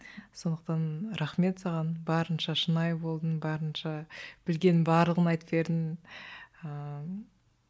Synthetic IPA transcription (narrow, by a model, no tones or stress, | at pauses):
so̞nd̪əq̚t̪ɑnɾɑχme̞t̪sɑʁɑnbɑɾənʃɑʃənɑjbo̞lˠd̪ənbɑɾənʃɑb̥ɪlɡʲe̞nɪbɑɾlˠəʁənɑjt̪ə̥pe̞ɾd̪ɪn | ə